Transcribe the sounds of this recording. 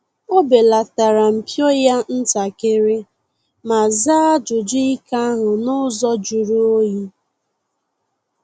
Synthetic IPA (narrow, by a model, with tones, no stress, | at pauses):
o˦be˨la˨ta˨ɾa˨m̩˨pjo˦ja˦n̩˦ta˨ke˦ɾɪ˦ | ma˨za˦a˦d͡ʒʊ˨d͡ʒʊ˦i˦ka˦a˦ɦʊ˨nʊ˦zɔ˦d͡ʒu˨ɾu˦o˦ji˦